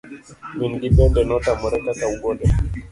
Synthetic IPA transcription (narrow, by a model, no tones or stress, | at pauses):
minɡibɛndɛnɔtamɔɾɛkatauɡɔndɛ